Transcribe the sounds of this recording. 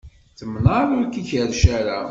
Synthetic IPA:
θəmnəɾˤʊɾkiçəɾʃæɾa

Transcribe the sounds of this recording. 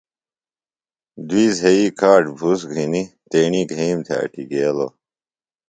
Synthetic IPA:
d̪wiːzɦeikʰaːʈbʱusɡʱinit̪eːɳiɡʱimt̪ʰḛːʈʰiɡeːlo̰

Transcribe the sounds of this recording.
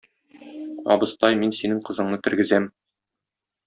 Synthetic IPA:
ɒ̰bɤ̆st̪ɑjminsinɘɴqɤ̆zɤ̆ɴnɤt̪ɵ̆ɾɡɘ̆zæm

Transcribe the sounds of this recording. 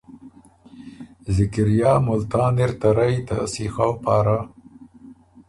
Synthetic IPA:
zɪkɪɾjɑːmʊlt̪ɑːnɪɾt̪aɾajt̪a̰sixawpɑːɾa

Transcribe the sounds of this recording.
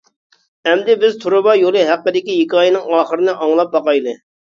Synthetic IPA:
ɛmd̪ɪbɪzt̪ʰuɾʊbɑjolˠɨɦæqːəd̪ɪkʲijekɑːjinɪŋɑːχəɾɨnɨʔɑŋlˠɑp̚bɑqɑjlˠɨ

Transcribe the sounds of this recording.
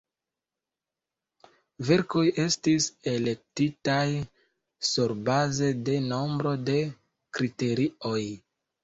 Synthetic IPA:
ve̞ɾko̞je̞stise̞le̞k̚titaj | suɾbaze̞de̞no̞mbɾo̞de̞ | kɾite̞ɾio̞j

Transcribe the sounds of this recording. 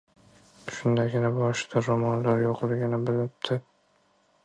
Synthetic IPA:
ʃʊnd̪aɡʲɪnabɒʃɪ̥d̪aɾomɒnlaɾjoqʰlˠɪɡʲɪnɪbɪlnɪp̚t̪ʰɪ

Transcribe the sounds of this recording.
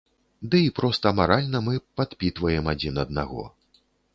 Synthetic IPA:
d̪ɨipɾɔst̪ɐmaɾalʲnɐmɨpat̪pʲit̪vɐjɛmad͡zʲinɐd̪̚naɣɔ̰

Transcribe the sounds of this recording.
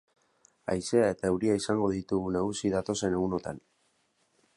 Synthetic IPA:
a̰jse̞ae̞t̪aewɾiaisaŋɡo̞ð̞it̪uɣunaɣusiðat̪o̞se̞ne̞ɣuno̞t̪a̰n

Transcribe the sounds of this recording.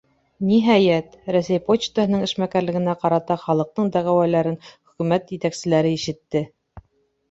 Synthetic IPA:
niɦæjæt̪ɾæsæjpot͡ɕt̪əhɤ̆nɤŋɘ̆ʃmækæɾlɘ̆ɡɘ̆næqɑɾɑt̪ɑχɑlˠɤ̆q̚t̪ɤɴd̪æʁæwælæɾɘnχɵ̆kʉmæt̪jɘ̆t̪æksɘ̆læɾɘiʃɘ̆t̪ːɘ

